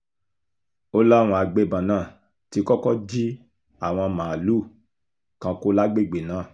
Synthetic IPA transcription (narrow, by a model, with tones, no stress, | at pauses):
o˦la˦˨w̃ɔ̃˧a˧ɡ͡be˦˨bã˨nãː˦˨ | ti˨˧kɔ˦kɔ˦d͡ʒi˦ | a˦˨w̃ɔ̃˧mãː˨luː˦˨ | kã˧˦ko˦la˦ɡ͡be˦˨ɡ͡be˨nãː˨˦˨